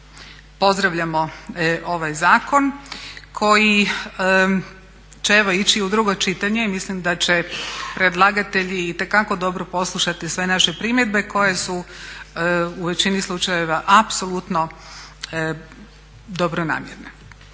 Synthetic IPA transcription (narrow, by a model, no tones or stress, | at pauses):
po̞zd̪ɾaʋʎamo̞ʔo̞ʋajzaːko̞nkʰo̞ji | t͡ɕeeʋo̞it͡ɕiud̪ɾuɡo̞t͡ʃit̪aɲe̞imislimd̪at͡ɕe̞pɾed̪lˠaɡat̪e̞ʎiit̪e̞kako̞d̪o̞bɾopo̞slˠuʃat̪isʋe̞naʃe̞pɾimje̞d̪̚be̞ko̞je̞su | uʋe̞t͡ɕinislˠut͡ʃajeʋaʔapso̞lut̪no̞ | d̪obɾona̰ːmjeɾne